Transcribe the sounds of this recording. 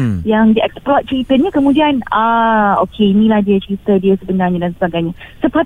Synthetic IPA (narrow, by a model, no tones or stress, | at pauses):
jaŋdiɛksplɔt̪̚t͡ʃəɾit̪əɲəkəmudianaokʰeinĩlahdiət͡ʃəɾit̪ədiəsəbənarɲadansəbaɡajɲasəpa